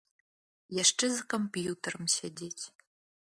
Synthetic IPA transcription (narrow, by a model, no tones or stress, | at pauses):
jaʂʈ͡ʂɨzɨkompjut̪ʰɐrəmsedʲetʲ